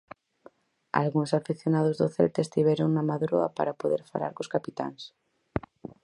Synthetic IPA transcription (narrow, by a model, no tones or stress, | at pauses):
a̰lɣuŋsafiθjonað̞ozðoθḛlt̪eːst̪iβeɾoŋnamaðɾoa̰pa̰ɾapoðeɾfa̰la̰ɾkoskapit̪a̰ŋs